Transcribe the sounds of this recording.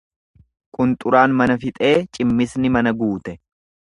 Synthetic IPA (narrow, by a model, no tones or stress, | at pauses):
kʼʊnt̪ʼʊɾaːnmɐnɐfɪt̪ʼe̞ːt͡ʃʼɪmːɪsnɪmɐnɐɡuːt̪ɛ